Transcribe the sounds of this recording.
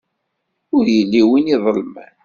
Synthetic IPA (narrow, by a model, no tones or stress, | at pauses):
ʊɾjəlːiwiniðˤəlmæ̰n